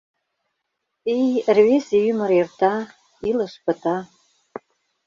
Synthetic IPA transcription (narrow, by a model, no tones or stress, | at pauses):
ejrvesejyməɾert̪a | iləʃpə̆t̪a